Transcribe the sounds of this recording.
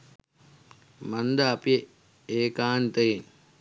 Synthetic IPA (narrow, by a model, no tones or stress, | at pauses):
mɐnd̪aːpie | eːkaːnt̪ejen